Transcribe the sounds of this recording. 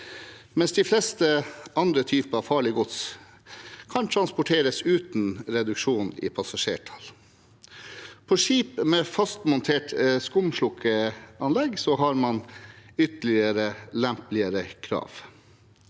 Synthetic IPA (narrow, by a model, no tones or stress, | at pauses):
mɛnsd̪ɪflɛst̪əɑnd̪ɾət̪ʰyːpəɑʋfɑːɭɪɡʊt̪s | kʰɑnt̪ʰɾɑnspʊʈʰeːɾəsʉːt̪nɾɛd̪ʉkʂuːnḭːpʰɑsɑʂḛːʈʰɑ̥l | pʰɔʂiːpmɛfɑst̪mʊnt̪ʰeːʈskʊmʂlʊkʰːəɑnlɛɡsɔɦɑɾmɑnʏt̪əlɪəɾəlɛmplɪəɾəkʰɾɑ̰ːʋ